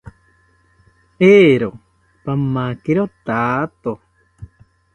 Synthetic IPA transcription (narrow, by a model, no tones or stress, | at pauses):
eːɾo | pamːakiɾot̪aːt̪o